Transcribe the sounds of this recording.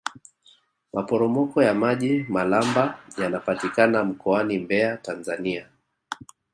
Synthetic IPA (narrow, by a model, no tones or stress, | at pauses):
mapɔɾɔmɔkɔjamaʄimalambajanapatikanam̩kɔanimbɛatanzania